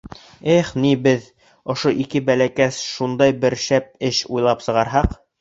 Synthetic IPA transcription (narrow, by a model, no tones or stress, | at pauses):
eχnibɘð | ŏʃoʔikɘbælækæsʃund̪ɑjbɘ̆ɾʃæp̚ɘʃujlˠɑpsɤ̆ʁɑɾɦɑq